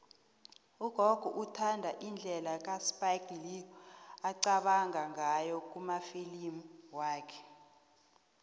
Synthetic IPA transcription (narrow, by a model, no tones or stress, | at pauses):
uɡ̥ʱɔɡ̥ʱuʔutʰandʱaʔind͡ɮʱɛlak̬ʼaspʼajɡliaǀaɓaŋʱaŋajɔk̬ʼumafilimuwaːkʰɛ̥